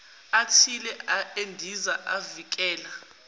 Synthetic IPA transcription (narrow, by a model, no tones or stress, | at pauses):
atʰilɛaʔendʱizaʔavik̬ʼɛːla